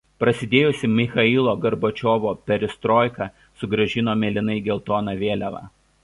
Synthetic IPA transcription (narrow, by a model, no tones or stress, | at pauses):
pɾɐsʲɪd̪ʲeːjʊsʲɪmʲɪxɐilˠoːɡɐɾbot͡ʃʲoːʋoːpʲɛɾʲɪst̪ɾoːjkɑ | sʊɡɾɐʒʲɪnoːmʲɛːlʲɪnɐɪɡʲɛlˠt̪oːnɑʋʲeːlʲɛʋɑ̰ː